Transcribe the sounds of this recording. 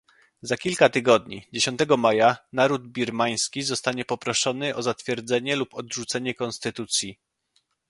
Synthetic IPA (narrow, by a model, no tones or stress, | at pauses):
zakʲilkat̪ɘɡɔd̪ɲḭd͡ʑeɕɔnt̪ɛɡɔmajanaɾud̪̚bʲiɾmaj̃skʲizɔst̪aɲɛpɔpɾɔʂɔnɘʔɔzat̪fʲjɛɾd̪zɛɲɛlupɔd̪ʐut̪sɛɲɛkɔnst̪ɘt̪ut̪sʲji